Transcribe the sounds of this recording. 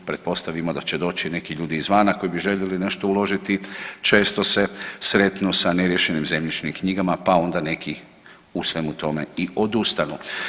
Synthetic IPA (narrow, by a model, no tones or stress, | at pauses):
pɾe̞t̪̚po̞st̪aʋimo̞d̪at͡ɕe̞d̪o̞ːt͡ɕine̞kiʎuːd̪iːzʋaːnako̞jibiʒe̞ʎeline̞ʃt̪oulo̞ʒit̪it͡ʃe̞ːst̪o̞se̞sɾe̞t̪nusaneɾjeʃe̞nimze̞mʎit͡ʃnimkɲiɡamapao̞nd̪ane̞kʰi | usʋemut̪o̞me̞io̞d̪ust̪anu